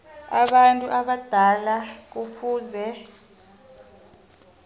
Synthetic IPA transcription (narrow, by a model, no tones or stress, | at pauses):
a̰ɓantʼuʔaɓad̥ʱalak̬ufuːzɛ